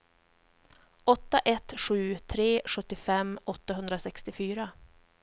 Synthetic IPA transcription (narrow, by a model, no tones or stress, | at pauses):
ɔt̪ːaʔɛt̪ɧʉ̟ːt̪ʰɾeːɧɵt̪ːɪfɛmːɔt̪ːaɦɵnd̪ɾasɛkst̪ɪfyːɾa